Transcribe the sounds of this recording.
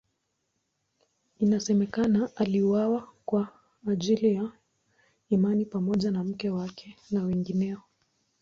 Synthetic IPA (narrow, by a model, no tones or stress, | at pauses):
inasɛmɛkanaʔaliwawakwaː | ʄilija | imanipamɔʄanam̩kɛwakʰɛnawɛŋɡinɛɔ